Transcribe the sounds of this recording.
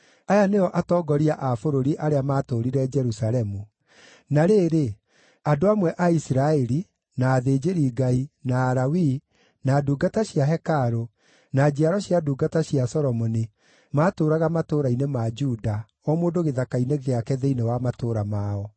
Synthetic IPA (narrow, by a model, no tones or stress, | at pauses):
ajaneɔʔatɔːɡɔɾiaʔafoɾoɾiʔaɾeamaːtoɾiɾɛd͡ʒɛɾusalɛmu | naɾeːɾe | adoamwɛʔaisiɾaɛɾi | naːðeːd͡ʒeɾiːɡainaːɾawi | naːduːɡataɕjaɦɛkaɾo | nad͡ʑiaɾɔɕiaduːɡataɕiasɔɾɔmɔni | maːtoɾaɣamatoɾainemad͡ʒuda | ɔmoːndoɣeðakaineɣeakɛðeinewamatoːɾamaːɔ